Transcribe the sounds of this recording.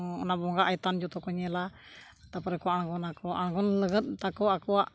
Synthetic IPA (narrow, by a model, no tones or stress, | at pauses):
ɔ̰nabɔŋɡaʔait̪and͡ʒɔt̪ɔkɔɲɛla | t̪apaɾɛkuaanɡɔnakɔʔanɡɔnləɡət̪̚t̪akɔakuaʔ